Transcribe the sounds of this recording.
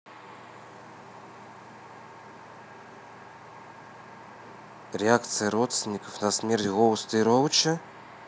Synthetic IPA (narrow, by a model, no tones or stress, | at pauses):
ɾʲɪak̚t̪sɨjəɾɔt̪st̪vʲɪnʲːikəfnɐsmʲɛrtʲɣɔwst̪ɨɾowt͡ʃɐ